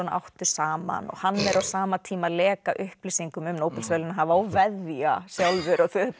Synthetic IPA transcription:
ɔnʔa̰wht̪ʏ̥saːma̰nɔ̰ɣhanːmɛɾawsaːmat̪ʰiːmalɛːkaʔʏhpplisiŋkʏmʏmnoːwpɪlsvœːlɪnaɦavaawvɛðviasjawlvʏɾaɣθʏ

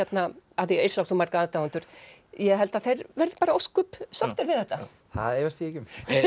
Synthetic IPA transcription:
ɛt̪naaðiejɾslawksɔmːaɾkaaðt̪awʏnt̪ʏɾ̥jɛɦɛlt̪aðθejɾvɛɾðpaːɾaoskʏpsaht̪aɾvɪðθɛht̪a | θa̰ðevɛst̪jɛcʏm

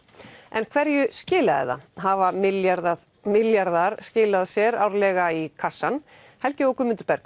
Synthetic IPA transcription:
ɛnkʰvɛɾjʏscɪːlaðɛ̰ða̰ɦavamɪljaɾðað | mɪljaɾðaɾ̥scɪːlaðsjɛɾawɾlɛːɣaikʰasːan | hɛlcɪowkʏmʏnt̪ʏɾ̥pɛɾk

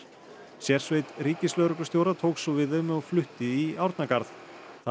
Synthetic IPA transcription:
sjɛr̥svejt̪ɾiːcɪslœːɣɾʏkʏ̥st̪jowɾat̪ʰoːwksɔvɪðʏmɔɣflʏht̪ɪiawɾt̪nakaɾð | θ

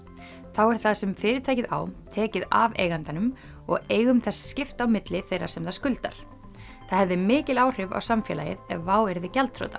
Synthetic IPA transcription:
θawɛɾ̥θaðsɛmfɪːɾɪt̪ʰaːjcɪða̰wt̪ʰɛːcɪða̰vḛːjɣant̪anʏm | ɔ̰ɣeːjɣʏmθɛsscɪft̪awmɪt̪lɪθejrːa̰̥sɛmðaskʏlt̪a̰ɾ̥ | θaðhɛvðɪmɪːcɪlaːwr̥ɪva̰wsamfjɛ̰la̰jɪ̰ðɛvaːwɛɾðɪcalt̪fʰɾo̰wt̪ḁ

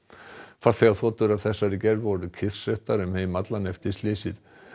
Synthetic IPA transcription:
fat̪θɛɣaθɔːt̪ʏɾavθɛsːaɾɪcɛɾvvɔɾʏcʰɪθsœht̪aɾʏmheːmat̪lanɛft̪ɪst̪liːsɪð

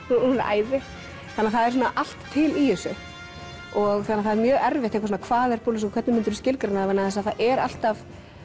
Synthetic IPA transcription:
na̰a̰ːjvɪ | θanːaθaðɛɾs̬unaʔal̥t̪ʰːɪlijʏsʏ | ɔɣθanːaɾθaðɛɾmjœːɛɾvɛɪht̪eŋkvas̬ɔnakʰvaːðɛɾ̥puːlɪs̬ɔkʰvɛt̪nɪmʏnt̪ʏɾscɪlkɾɪnaðavanːaθɛs̬aðθaðɛɾa̰l̥t̪av

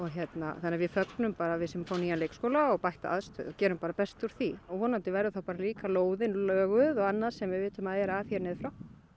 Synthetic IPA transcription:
ɔɣçjɛt̪na̰θanːavɪfœknʏmpaːɾavɪsɛmfawniːanlejkskoːwlaɔɣpajht̪a̰ʔa̰ðst̪œ̰ːðɔcɛːɾʏmpaːɾapɛst̪ʏɾ̥θiɔɣvɔːnant̪ɪvɛːɾʏθawpaːɾaliːkaloːwðɪnlœːɣʏðɔɣanːaðsɛmvɪðvɪːt̪ʏmaðɛɾaθjɛɾnɪːðfɾaw

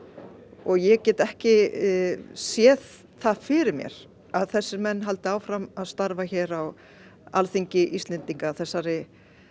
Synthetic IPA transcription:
ɔɣjɛɣcɛːt̪ɛhcɪ | sjɛːð | θaðfɪɾɪɾmjɛ̰ɾ̥ | aðθɛsːɪɾmɛnːɦal̪t̪ɪaːwfɾamaðst̪aɾvaçɛːɾaw | a̰lθiɲcɪʔist̪lɛnt̪iŋkaθɛsːaɾɪ

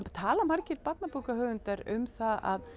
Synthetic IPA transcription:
t̪ʰaːlamaɾcɪɾpat̪napuːwkahœːvʏnt̪aɾʏ̰mθaa̰ð

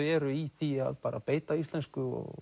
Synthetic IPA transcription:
ɛɾʏiθia̰ðpaːɾa̰peːjt̪aist̪lɛnskʏɔ̰ɣ

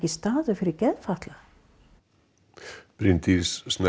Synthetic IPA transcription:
cɪst̪aːðʏfɪɾɪɾcɛðfaht̪la | pɾɪnt̪isːnɛ

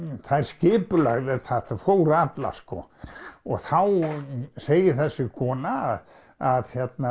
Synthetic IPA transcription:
θajɾ̥scɪːpʏlaɣðɛðθɛht̪afowɾat̪la̰skɔɔɣθawseːjɪθɛsːɪkʰɔːna | aðjɛt̪na

